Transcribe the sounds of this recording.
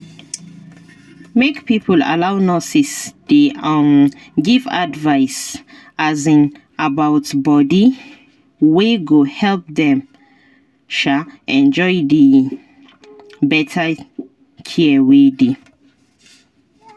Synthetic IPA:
mekpipʰəla̰lawnɔsisdiam | ɡiva̰dvaɪs | azĩn | abawtbɔdi | weɡohɛlp̚dɛ̃m | ʃaɛ̃nd͡ʒɔjdə | bɛtʰə | kʰiəwedi

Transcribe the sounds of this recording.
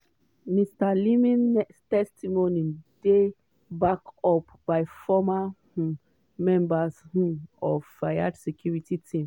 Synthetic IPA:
mistalimĩnnɛkstɛstimonide | bakɔpbajfɔma | mɛ̃mbashɔvːajadsɛkʰjuɹititʰĩm

